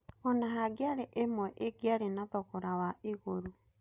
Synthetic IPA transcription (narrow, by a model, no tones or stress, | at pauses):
ɔnaɦaɡiaɾeʔemwɛʔeɡiaɾenaðɔɣoɾawaiɣoɾo